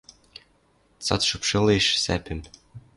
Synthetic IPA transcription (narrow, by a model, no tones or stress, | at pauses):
t̪t͡sɑ̰t̪ʃupʃɤliʃsæ̰pʲɘ̆m